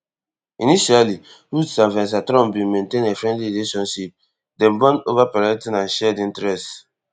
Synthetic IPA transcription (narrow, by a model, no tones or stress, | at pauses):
iniʃali | hutsãvɛ̃ns̬atɾɔ̃mbĩmẽntẽnefɹɛ̃ndliɹileʃɔ̃nʃip̚ | dɛ̃nbɔ̃novapɛɹɛtĩnãnʃɛdĩntɾɛst